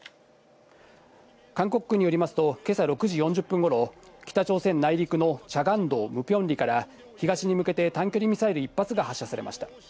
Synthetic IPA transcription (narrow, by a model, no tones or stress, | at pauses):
kãŋko̞kɯ̟̥kɯ̟ɲ̟ːijo̞ɾimasɨ̥t̪o̞ke̞saɾo̞kɯ̟ʑijõ̞ɲ̟d͡ʑɨpːɯ̃ŋɡo̞ɾo̞kʲi̥t̪at͡ɕo̞ːsẽ̞nːaiɾʲikɯ̟no̞t͡ɕaɡãnd̪o̞ːmɯ̟pʲjõ̞nɾʲikaɾa | çiɡaɕiɲ̟imɯ̟ke̞t̪e̞t̪ãŋkʲo̞ɾʲimʲisaeɾɯipːat͡sɨɡahaɕːasaɾemʔa̰ɕi̥t̪ḁ